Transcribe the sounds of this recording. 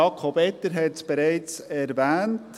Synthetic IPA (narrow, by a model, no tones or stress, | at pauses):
ɑkʰobɛtːəɾɦɛtsb̥eɾɛɪt͡sɛɾvæːnt